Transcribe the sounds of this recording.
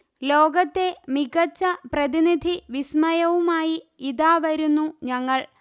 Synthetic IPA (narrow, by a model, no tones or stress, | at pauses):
lo̞ːɡɐt̪ːe̞miɡɐt͡ɕːɐprɐðinid̪ʱiʋismɐjɐʋumaːjiiðaːʋɐɾunːuɲɐŋːɐɭ